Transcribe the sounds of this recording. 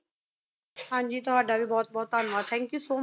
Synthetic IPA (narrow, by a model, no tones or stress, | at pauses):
hãːnd͡ʒiːt̪ɔʋaːɖaʋibɔːt̪̚bɔːt̪aːnʋaːt̪ʰɛ̃ŋkjusoːm